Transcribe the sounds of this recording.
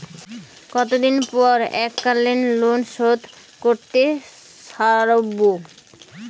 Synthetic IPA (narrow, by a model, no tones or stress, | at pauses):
kɔt̪od̪inpɔɾɛkːalːenlonʃod̪ | koɾt̪e | ʃaɾobo